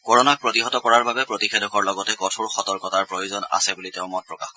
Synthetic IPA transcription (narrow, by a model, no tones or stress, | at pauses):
kɔɹɔnak̚pɹɔtiɦɔtɔkɔɹaɹbabɛpɹotixʰedɔkɔɹlɔɡɔtɛkɔtʰʊɹxɔtɔɹkɔtaɹpɹojuzɔna̰sɛbuliteʊ̃mɔt̚pɹɔka̰x